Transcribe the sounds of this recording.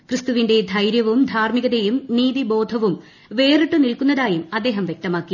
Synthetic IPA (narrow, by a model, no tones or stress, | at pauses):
krɨst̪uʋinɖe̞d̪ʱɐjɾjɐʋumd̪ʱaːɾmiɡɐðejumniːðibo̞ːd̪ʱɐʋum | ʋe̞ːriʈːɨnilkunːɐðaːjumɐd̪ːe̞ːɦɐmʋjek̚t̪ɐmaːkːi